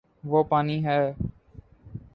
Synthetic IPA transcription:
ʋoːpaːniːɦɛː

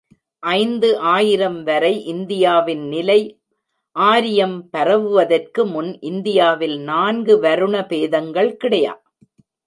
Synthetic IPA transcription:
ʔɐɪnd̪ɯʔaːjɪɾɐmʋɐɾɐɪʔɪnd̪ɪjaːʋɪnnɪlɐɪ | ʔaːɾɪjɐmpɐɾɐʋɯʋɐðɐrkɯmʊnʔɪnd̪ɪjaːʋɪlnaːnɡɯʋɐɾɯɳɐpeːðɐŋɡɐɭkɪɽɐja̰ː

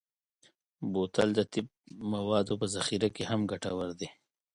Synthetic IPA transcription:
boːt̪ɐ̰ld̪ət̪ɪb̚mɐwɑːd̪opəzɐxiɾakeɦamɡɐʈawɐɾd̪e

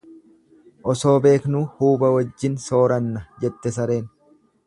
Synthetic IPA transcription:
ʔɔso̞ːbe̞ːknʊhuːbɐwɐd͡ʒːɪnso̞ːɾɐnːɐd͡ʒɛt̪ːɛsɐɾe̞ːn

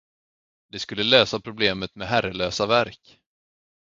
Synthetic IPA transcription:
d̪̥ɛskɵlːəløːsapʰɾʊbleːmət̪mɛɦæɾəløːsavæɾk

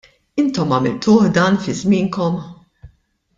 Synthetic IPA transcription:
ɪnt̪ɔmɐmɪlt̪ʊːħd̪ɐːnfɪzmɪːŋkɔm

